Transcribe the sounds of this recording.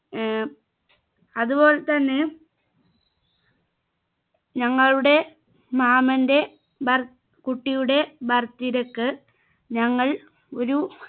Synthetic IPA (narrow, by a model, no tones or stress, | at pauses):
ɐðubo̞ːɭet̪ɐnːe | ɲɐŋːɐɭuɽe̞ | maːmɐnde̞ | bɐr | kuʈːijuɽe̞bɐrt̪ːiɾekːɨ | ɲɐŋːɐɭ | o̞ɾu